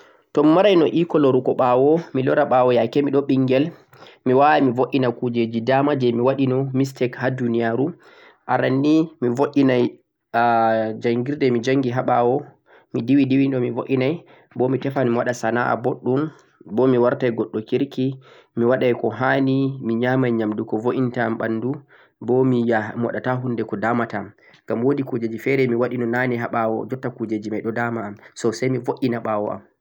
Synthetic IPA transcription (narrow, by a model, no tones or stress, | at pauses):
tɔmːaɾajnɔʔikɔlɔɾukɔɓawɔmilɔɾaɓawɔjajkɛmiɗɔɓiŋɡɛl | miwaamivoʔinakud͡ʒed͡ʒidamad͡ʒɛmiwaɗinɔmistɛkhadunijaɾu | ʔaɾanːimivoʔinaj | d͡ʒaŋɡiɾdɛmid͡ʒaŋɡiɦaɓawɔ | midiwidiwiɗɔmivoʔinaj | bɔmitɛfanmiwaɗasana̰ʔa̰boɗːum | bɔmiwaɾtajɡɔɗːɔkiɾki | miwaɗajkɔɦanimiɲamajɲamdukɔvoʔintamɓanːdu | bɔmijamwa̰ɗataɦundɛkɔdaːmatam | ŋɡ̥amwodikud͡ʒed͡ʒifɛɾɛmiwaɗinɔnaniɦaɓawɔ̰d͡ʒɔtːakud͡ʒed͡ʒimajɗɔdamaːmsɔsajmivoʔʲinaɓawɔʔa̰m